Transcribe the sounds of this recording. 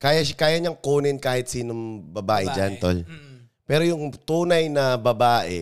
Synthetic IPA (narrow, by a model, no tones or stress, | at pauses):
kaːjɐʃakaːjɐɲɐŋkuːnɪnkaːhɪt̪̚siːnoŋbɐbaːʔɛd͡ʒant̪o̰l | pɛːɾojʊŋt̪uːnɐjnɐbɐbaːʔɛ̰